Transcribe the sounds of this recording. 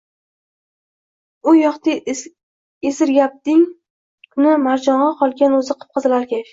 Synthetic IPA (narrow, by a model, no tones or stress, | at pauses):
ʊjɒχt̪ɪ | esɪɾɡʲap̚d̪ɪŋ | kʰʊnɪmaɾd͡ʒɒɴʁɑqʰɒlˠɡʲanɵzɪqʰɨ̥p̚qʰɨzɪlaɾkʲʰe